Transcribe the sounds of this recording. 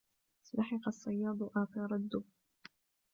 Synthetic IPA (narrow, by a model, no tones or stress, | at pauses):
slaħɪqɑsˤːɑjːɑːd̪ˤwʔaːk̪ɑɾˤɑd̪ːʊ